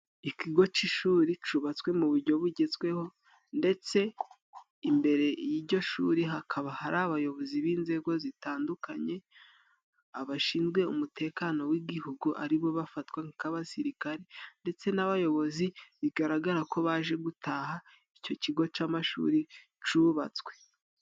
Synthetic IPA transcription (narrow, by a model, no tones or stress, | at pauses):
ikiɡo̞t͡ʃiʃuːɾit͡ʃuβat͡swe̞muβuɾɟo̞βuɟezɡwe̞ho̞ | nde̞t͡se̞ | imbe̞ɾe̞jiɾɟo̞ʃṵːɾiɦakʰaβahaɾaβajo̞βo̞ziβiːnze̞ɡo̞zitaːndukaɲe̞ | aβaʃiːnzɡwe̞umutʰe̞ːkano̞wiɡihuɡuʔa̰ɾiβo̞βafatwaŋkaβasiɾikaɾende̞t͡se̞naβajo̞βo̞ziβiɡaɾaɡaɾako̞βaːʒe̞ɡutʰaha | ico̞ciɡo̞t͡ʃamaʃṵːɾi | t͡ʃuβa̰t͡swe̞